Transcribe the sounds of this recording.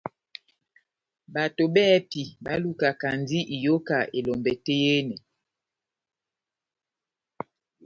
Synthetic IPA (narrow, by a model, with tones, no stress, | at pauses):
ba˨to˨bɛ˦pi˨ba˦lu˦ka˨ka˨n˦di˦ʔi˨jo˦ka˨ʔe˨lɔ˨mbɛ˨te˦je˦nɛ˨